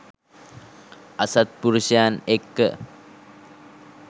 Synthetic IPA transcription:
asat̪̚puɾusanekːə

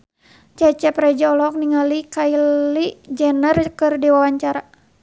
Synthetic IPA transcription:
t͡ʃɛt͡ʃɛpɾɛd͡ʒaɔlɔk̚niŋalikailid͡ʒɛnərkɨrdiwawaɲt͡ʃaɾa

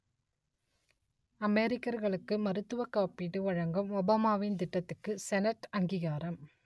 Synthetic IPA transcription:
ɐmeːɾɪkːɐɾɣɐɭɯkːɯmɐɾɯt̪ːɯʋɐkːaːpːiɽɯʋɐɻɐŋɡɯmɔbaːmaːʋɪnt̪ɪʈːɐt̪ːɯkːɯsɛnɐʈɐŋɡiɣaːɾɐm

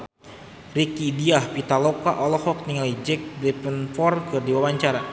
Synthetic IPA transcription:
rikiːdiahpit̪alokaʔɔlɔhɔk̚niŋalid͡ʒɛk̚dɾɛpənfɔrkɨrdiwawaɲt͡ʃaɾa

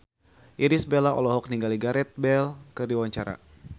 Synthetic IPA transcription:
ʔiɾisbɛlaʔɔ̰lɔɦɔk̚niŋɡaliɡaɾɛt̪̚bɛlkərdiwaɲt͡ʃaɾa̰

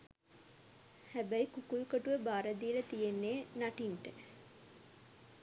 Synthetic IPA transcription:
hæbæikukulkoʈuʋəbaːɾəd̪ilət̪ijenːeːnaʈinʈə

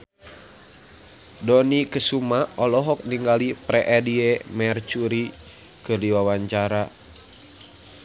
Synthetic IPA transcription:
dɔnikəsumaɔlɔɦɔk̚niŋɡalipɾɛʔadiemɛrt͡ʃuɾi | kəliwawaɲt͡ʃaɾa

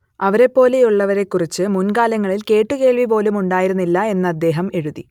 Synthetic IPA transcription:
ɐʋɐɾe̞pːo̞ːle̞juɭːɐʋɐɾe̞kːurit͡ɕːɨmunkaːlɐŋːɐɭilke̞ːʈːuke̞ːɭʋipo̞ːlumuɳɖaːjiɾunːilːɐe̞nːɐɐd̪ːe̞ːɦɐme̞ɻuði

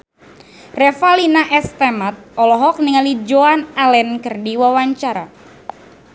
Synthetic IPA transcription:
rɛfalinaʔɛst̪ɛmat̪̚ɔlɔɦɔk̚niŋalid͡ʒoanalɛnkɨrdiwawaɲt͡ʃaɾa̰

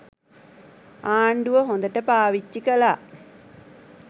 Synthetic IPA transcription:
aːɳɖuʋɐɦond̪ɐʈəpaːʋit͡ɕːikɐla

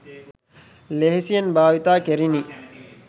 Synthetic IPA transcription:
leɦisijɐnbaːʋit̪aːkeɾini

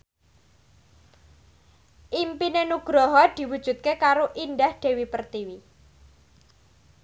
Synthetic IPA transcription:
ʔimpinenuɡ̥ɾɔɦɔd̪̥i̤wud̥ʒ̥ṳt̪̚kekaɾoʔindahɖ̪̥e̤wipərt̪iwi

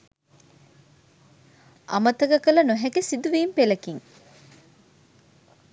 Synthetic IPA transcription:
ʔɐ̰mɐt̪ɐɡɐkɐlɐnoɦɛɡesid̪uʋiːmpelɐkiŋ

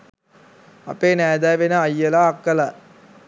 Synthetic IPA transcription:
ɐ̰peːnæːd̪æːʋenəɐjːəlaːkːəla

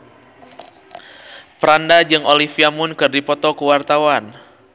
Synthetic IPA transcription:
pəɾandad͡ʒɨŋolifiamʊnkɨrdipɔt̪ɔkəwart̪awan

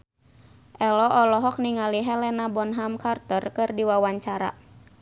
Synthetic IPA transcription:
ʔɛlɔʔɔlɔɦɔk̚niŋaliɦɛlɛnabɔnɦamkart̪ərkɨrdiwawaɲt͡ʃaɾa̰

